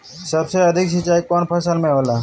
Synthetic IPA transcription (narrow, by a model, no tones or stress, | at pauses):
səbseəd̪ʱɪksɪt͡ʃaːikoːnpʰəsəlmẽɦoːlaː